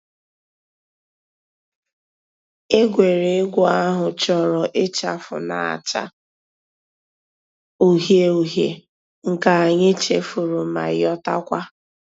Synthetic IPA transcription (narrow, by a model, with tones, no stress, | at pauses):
e˦ɡʷe˨ɾe˨ɪ˦ɡʷɔ˦a˦ɦʊ˨t͡ʃɔ˨ɾɔ˨ʔɪ˦t͡ʃa˨fʊ̰˨na̰˨a̰˨t͡ʃa̰˦ | u˦ɦje˦u˨ɦjḛ˨ | ŋ̩˨ka˨a˨ɲɪ˦t͡ʃe˨fu˨ɾu˨ma̰˨˦ɔ˦ta˦kʷa˦